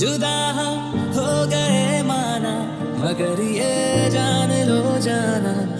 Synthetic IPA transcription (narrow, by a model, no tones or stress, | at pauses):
d͡ʒʊd̪aːɦã | ɦoːɡɐemaːna | bɐkəɾied͡ʒaːnelod͡ʒaːna